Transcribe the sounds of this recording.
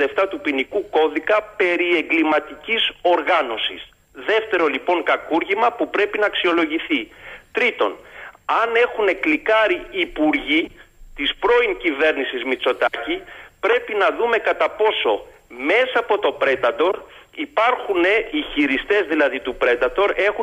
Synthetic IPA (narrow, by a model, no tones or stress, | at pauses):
eft̪ɐt̪upinikuko̞ðikɐpe̞ɾie̞ŋɡlimɐt̪iciso̞ɾɣɐno̞sḭs | ðe̞ft̪e̞ɾo̞lipo̞ŋkɐkuɾʝimɐpupɾe̞pinɐːksio̞lo̞ʝiθit̪ɾit̪o̞̰nɐne̞xune̞klikɐɾiːpuɾʝit̪ispɾo̞iŋcive̞ɾnisizmit͡so̞t̪ɐcipɾe̞pinɐðume̞kɐt̪ɐpo̞so̞ | me̞sɐːpo̞t̪o̞pɾe̞d̪ɐt̪o̞ɾipɐɾxune̞içiɾist̪e̞zðilɐðit̪upɾe̞d̪ɐt̪o̞ɾe̞xu